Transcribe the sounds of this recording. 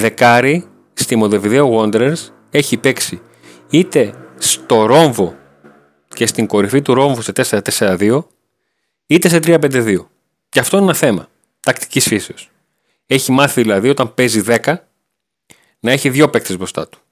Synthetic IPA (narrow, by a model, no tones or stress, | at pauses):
ðe̞kɐɾi | st̪imo̞ðe̞viðe̞oɣo̞nd̪ɾeɾs | e̞çipe̞ksi | it̪e̞st̪o̞ɾo̞ɱvo̞ | ce̞st̪iŋko̞ɾifit̪uɾo̞ɱvuset̪eseɾɐt̪e̞seɾɐðio̞ | it̪e̞se̞t̪ɾiɐpe̞nd̪eðio̞ | ceɐft̪o̞inenɐθe̞mɐ | t̪ɐkt̪i̥cisfiseos | e̞çimɐθiðilɐðio̞t̪ɐmpe̞ziðe̞kɐ | nɐe̞çiðʝo̞pe̞k̚t̪ezbɾo̞st̪ɐ̰t̪u̥